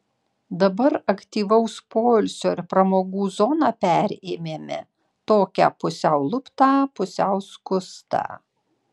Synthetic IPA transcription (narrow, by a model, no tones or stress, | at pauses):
d̪ɐbɐɾɐkt̪ʲiːʋɐʊspoːlʲsʲoːɪɾpɾɐmoːɡuːzɔnɑːpʲæɾʲeːmʲeːmʲɛ̰ | t̪oːkʲæ̰ːpʊsʲɛʊlˠʊpt̪ɑːpʊsʲɛˑʊskʊst̪ɑ̰